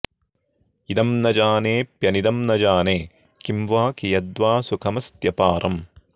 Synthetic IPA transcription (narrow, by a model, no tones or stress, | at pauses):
id̪ɐmnɐd͡ʒaːneːpjɐnid̪ɐmnɐd͡ʒaːneː | kimʋaːkijɐd̪ʋaːsukʰɐmɐst̪jɐpaːɾʔɐm